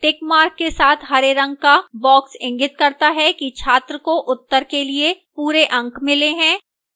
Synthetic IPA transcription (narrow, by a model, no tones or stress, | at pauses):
ʈɪkmaːɾkːesaːt̪ʰɦɐɾeɾɐ̃ŋɡ̚kabɔːksɪ̃ŋɡɪt̪̚kɐɾt̪aɦɛkit͡ʃʰaːt̪ɾəkoʔʊt̪ːəɾkeliepuːɾeʔɐ̃ŋkmɪleɦɛ̃ː